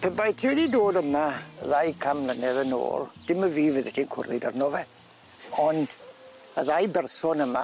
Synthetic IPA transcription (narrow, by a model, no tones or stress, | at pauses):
pʰɛbajtʰɪwɛdidoːdəmaðajkʰamlənɛðəno̰ːlˠd̥ɪməviːvəðɛtʰinkʰʊ̰rðɪdarnɔvɛ | ɔnd | əðajbɛrsɔnəma